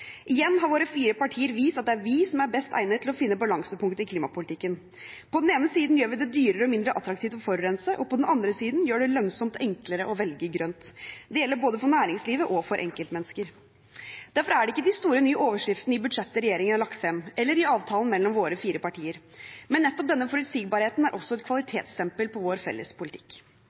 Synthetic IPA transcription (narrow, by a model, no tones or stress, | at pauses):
ʔɪjɛnːɦɑɾʋoːɾəfiːɾəpɑʈʰiːəɾʋiːst̪ɑt̪̚d̪ɛæɾʋisɔmæɾbɛst̪ʰæ̰ɪət̪ʰːlɔfɪnːəbɑlɑŋsəpʊŋkt̪əɪkʰliːmɑpʊlɪt̪ʰɪkːən | pʰɔd̪neːnəsiːd̪n̩jøːɾʋɪd̪ɛd̪yːɾəɾəɔmɪnd̪ɾəʔɑt̪ɾɑkt̪iːʋt̪ɔfɔɾɾɛnsəʔɔpʰɔd̪ɛnɑnd̪ɾəsiːd̪njøːɖɛlœnsɔmt̪ɛŋkləɾəʔɔʋɛlɡəɡɾœnt̪d̪ɛjɛlːəɾboːd̪əfɔɳæːɾɪŋsliːʋəʔɔfɔɾʔɛ̰ŋkəlt̪mɛnːəskəɾ | d̪̥æɾfɔɾæɖɛɪkːəd̪ɪst̪uːɾənyːʔoːʋəʂɾɪft̪nəɪbʉd̪ʂɛt̪ːəɾɛjeːɾɪŋənlɑksɛmɛlːəɾɪɑːʋt̪ʰɑːln̩mɛlːɔmʋoːɾəfiːɾəpɑʈʰiːəɾ | mɛnːɛt̪ːɔpd̪ɛnːəfɔɾʉt̪siːɡ̚bɑːɾheːt̪n̩æɾʔɔsːɔɛt̪kʰʋɑlɪt̪ʰeːt̪st̪ʰɛmpəlpʰɔʋoːɾfɛ̰lːə̰spʰʊlɪt̪ʰɪ̥kː